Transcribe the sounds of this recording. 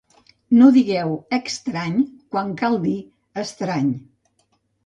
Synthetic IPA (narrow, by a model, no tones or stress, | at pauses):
noðiɣɛwəkst̪ɾaɲkwaŋkalˠd̪i | əst̪ɾaɲ